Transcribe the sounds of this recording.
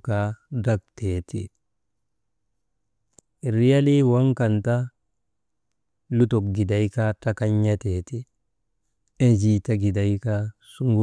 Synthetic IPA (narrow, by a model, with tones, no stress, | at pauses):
kada˦k̚tetḭ˨ | ɾi˦ja˦li˦wa˦ŋka˨nta˦ | lu˦to˨kɡi˨da˨jkatakaɲːateːti˦ | e˦d͡ʒita˦ɡi˨da˨jkasu˦ŋɡu